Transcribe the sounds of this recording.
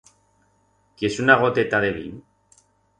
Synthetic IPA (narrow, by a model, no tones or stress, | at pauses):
kiesunaɣ̞ot̪et̪aðeβḭn